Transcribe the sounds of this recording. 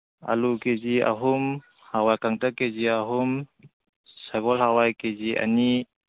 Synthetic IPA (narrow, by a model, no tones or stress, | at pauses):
a̰lukezia̰ɦum | hawajkaŋtakːeziaɦum | saɡɔlɦawajkezia̰ni